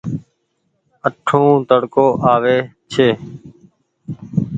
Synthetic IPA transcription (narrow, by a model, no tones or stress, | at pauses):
əʈʰũːt̪əɽkoːʔaːʋeːt͡ʃʰeː